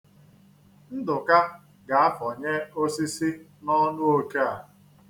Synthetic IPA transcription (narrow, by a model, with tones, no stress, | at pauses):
n̩˦dʊ˨ka˦ | ɡa˨a˦fɔ˨ɲe˦o˦si˦si˦nɔ˦nʊ˦o˦ka˦a˨